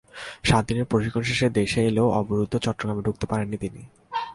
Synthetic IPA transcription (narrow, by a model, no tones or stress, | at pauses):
ʃad̪ineɾpɾoʃikʰːonʃeʃeɾd̪eʃeeleoɔboɾud̪ʱːot͡ɕɔʈːoɡɾameɖuk̚t̪epaɾenːit̪ini